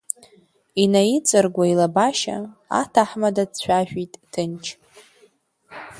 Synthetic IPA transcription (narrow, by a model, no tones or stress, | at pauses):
inajit͡sʼɨrɡʷailabaʃa̰a̰tʰaħmadadt͡ɕʷʰᶣaʒᶣitʼtʰɨnt͡ʃʰ